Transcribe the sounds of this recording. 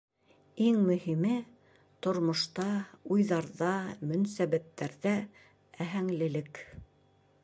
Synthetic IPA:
iŋmɵ̆ɦimɘ | t̪ŏɾmŏʃt̪ɑujðɑɾðɑmɵ̆nsæβæt̪ːæɾðæ | æɦæŋlɘ̆lɘk

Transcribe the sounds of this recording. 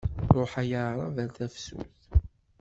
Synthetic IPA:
ɾˤoħæjəɾˤɑ̰væθæfsṵθ

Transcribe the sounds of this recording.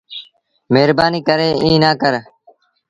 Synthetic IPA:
meːɾbaːniːkəɾeːʔĩːnaːkəɾ

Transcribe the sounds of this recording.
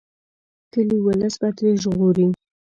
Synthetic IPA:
kəliwələsbat̪ɾeʒɣoɾi

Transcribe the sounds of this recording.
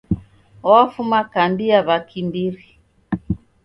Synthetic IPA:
ɔwafumakandiaβakʰimbiɾi

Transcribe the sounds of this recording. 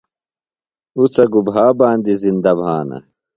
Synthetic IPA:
ut͡sɐɡubɦaːbaːnd̪izind̪ɐbʱaːnɐ̰

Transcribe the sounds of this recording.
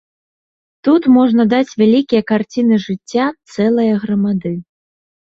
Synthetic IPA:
t̪ut̪mɔʐnɐd̪at͡sʲvʲalʲikʲijɐkart͡sʲinɨʐɨt͡sʲːat̪sɛlˠɐjɐɣɾɐmad̪ɨ

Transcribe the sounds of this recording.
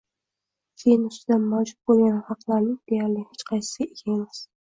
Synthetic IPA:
kʲʰejɪnʊst̪ɪd̪anmawd͡ʒʊt̪̚bolˠɡʲanhɑqlˠaɾnɪŋd̪ejaɾlɪhet͡ʃqʰɑjsɪ̥saeɡʰʲaemɪz̥

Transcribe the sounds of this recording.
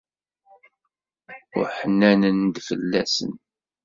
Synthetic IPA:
ʊ̰ħənːænənd̪fəlːæsə̰n

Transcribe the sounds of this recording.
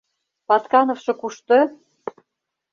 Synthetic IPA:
pɑt̪kɑnofʃɤ̆kuʃt̪ɤ

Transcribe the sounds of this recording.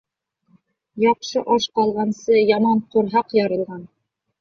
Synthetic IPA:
jɒqʃɤʔɒʃqɒlˠʁɑnsɤjɒmɑɴqoɾɦɑqjɑɾɤ̆lˠʁɑn

